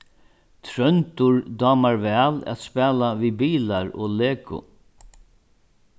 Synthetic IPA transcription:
t̪ʰɾœnt̪ʊɹd̪ɑːmaɹvɛːla̰t̪spɛːlavibiːlaɹɔ̰ːleːkʊ̰

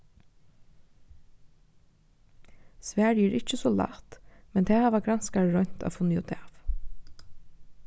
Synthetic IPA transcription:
sʋæːɹjɛɹɪt͡ʃəsɔla̰t̪mɛnt̪ʰɛːhaʋaɡɾanskaɹɹɔɲ̥t̪a̰fʊnːjɔt̪aːf

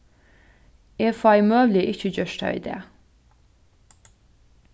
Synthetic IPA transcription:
eːfɑɪmøːʋlɪʔɪçəd͡ʒœʃʈʰɑ̰ḭːd̪ḛː

